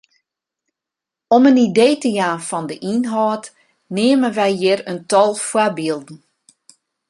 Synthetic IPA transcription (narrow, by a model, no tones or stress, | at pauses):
ɔmənideːtəjaːnfɔndəʔinɦɔːt | neːəmənʋɛjjɪrəntɔlˠfwabiəlˠdn̩